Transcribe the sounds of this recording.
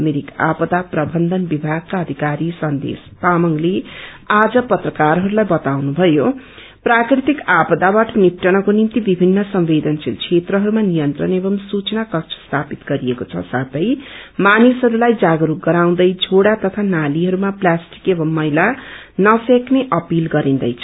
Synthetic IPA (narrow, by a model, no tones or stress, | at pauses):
ʌmeɾika̰pʌd̪aprʌbʌnd̪ʱʌnbibʱaɡ̚kaʌd̪ʱikaɾisʌnd̪ḛspamʌŋle | ad͡zʌpʌt̪rʌkaɾɦʌɾulajbʌt̪awnubʱʌjo | prakɾit̪ikapʌd̪abaʈʰʌnip̪rʌñʌkonimt̪ibibʱinːʌsʌmbed̪ʌnt͡silt͡sʰet̪rʌɦʌɾumanijʌnt̪rʌnebʌmsut͡sʌnakʌkt͡sʰʌ̥st̪ʰapit̪ɡʌɾiekot͡sʰʌ̰sat̪ʌjmanisɦʌɾulajd͡zaɡʌɾuk̚ɡʌɾaw̃d̪ʌjd͡zʱoɽat̪ʌt̪ʰanaliɦʌɾumaplasʈi̥kebʌmːʌɦila | nʌsekneʔʌpilɡʌɾind̪ʌjt͡sʰʌ